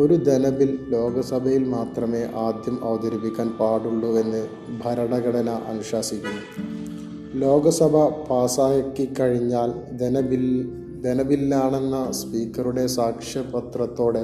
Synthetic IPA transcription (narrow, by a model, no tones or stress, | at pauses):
o̞ɾud̪enɐbillo̞ːɡɐsɐbʱɐjilmaːt̪rɐme̞ːʔaːd̪jɐmʔɐʋɐd̪ɐɾipːikʲːaːnpaːɽuɭːue̞nːɨ | bʱɐɾɐɽɐɡɐɽɐnɐʔɐŋʂaːsikʲːunːu | lo̞ːɡɐsɐbʱɐpaːsaːjɐkːɨkːɐɻiɲːaːl | d̪e̞nɐbilnaːɳe̞nːɐspiːkːɐɾuɽe̞saːkʂjɐpɐt̪rɐt̪ːo̞ːɽe